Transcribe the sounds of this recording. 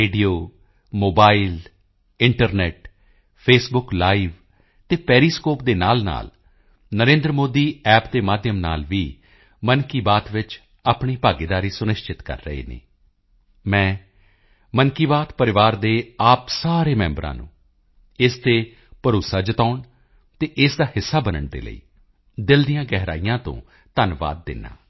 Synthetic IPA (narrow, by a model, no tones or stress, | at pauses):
eːɖioː | moːbaːiːl | ɪɳʈəɾnɛːʈ | pʰeːsbʊklaːiʋ | t̪eːpɛːɾiːskoːpd̪eːna̰ːlna̰ːl | nəɾẽːnd̪ɾəmoːd̪iːɛːpd̪eːmaːd̪ʱjəmna̰ːlʋiː | mənkiːbaːt̪ʋɪt͡ʃ | aːpɳiːpaːɡɪd̪aːɾiːsʊnɪʃt͡ʃɪt̪kə̰ɾːə̰ɦḛːnḭ̃ː | mɛ̃ː | mənkiːbaːt̪pəɾɪʋaːɾd̪eːaːpsaːɾeːmɛ̃ːmbɾã̰ːnṵ̃ː | ɪst̪eː | pəɾoːsaːd͡ʒət̪aːʊɳ | t̪eːʔɪsd̪aːhɪsːaːbənəɳd̪ḛːlə̰ḭː | d̪ɪld̪ɪjãːɡɛːɦɾa̰ːijãːt̪õ̰ː | t̪ənʋa̰ːd̪̚ːɪ̰nːa̰ː